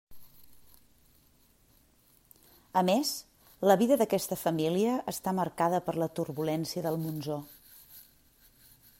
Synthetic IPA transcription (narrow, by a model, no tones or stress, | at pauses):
əmes | ləβiðəðəkɛst̪əfəmiliəʔːst̪aməɾkaðəpəɾlət̪urβulɛnsiəðəlˠmunzo